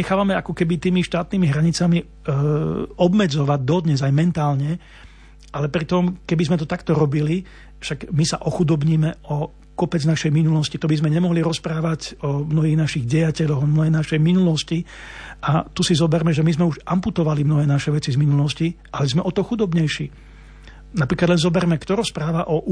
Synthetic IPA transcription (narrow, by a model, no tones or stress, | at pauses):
ɲɛxaːʋamɛakɔkɛbit̪iːmiʃt̪aːt̪niːmiɦɾaɲit͡sami | ɔbmɛd͡zɔʋaɟ̚d̪ɔd̪ɲɛzajmɛnt̪aːlɲɛ | ʔalɛpɾit̪ɔmkɛbizmɛt̪ɔt̪akt̪ɔɾɔbili | fʃaɡmisaʔɔxud̪ɔbɲiːmɛɔ | kɔpɛd͡znaʃɛjminulɔscit̪ɔbizmɛɲɛmɔɦliɾɔspɾaːʋacɔmnɔɦiːɣnaʃiɣɟɛjacɛʎɔɣɔmnɔɦɛːnaʃɛjminulɔsci | ʔat̪usizɔbɛɾmɛʒɛmizmɛuʒʔamput̪ɔʋalimnɔɦɛːnaʃɛʋɛt͡sizminulɔsciʔalɛzmɛʔɔt̪ɔxud̪ɔbɲɛjʃiː | napɾiːklad̪lɛnzɔbɛɾmɛkt̪ɔɾɔspɾaːʋaʔɔ